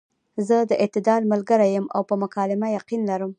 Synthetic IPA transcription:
zəd̪əʔɪt̪ɪd̪ɑɾmʊlɡəɾajəma̰wpəmʊkɑlɪmajaqinlaɾəm

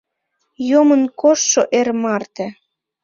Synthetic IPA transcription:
jomənkoʃːoʔermɑrt̪ĕ

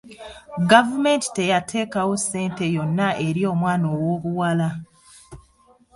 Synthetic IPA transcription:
ɡavume̞nti̥te̞jatʰe̞ːkawosːe̞ːnte̞jo̞nːaʔe̞ɾio̞ːmwaːnowoːβuwala

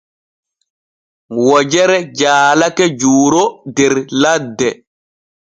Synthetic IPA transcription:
wɔd͡ʒɛɾɛd͡ʒaːlakɛd͡ʒuːɾodɛɾladːɛ

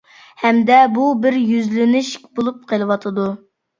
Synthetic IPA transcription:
hɛmd̪ɛbubɪɾjyzlɪnɪʃkʲbolˠup̚qʰəlˠɨwɑt̪ʰɨd̪u

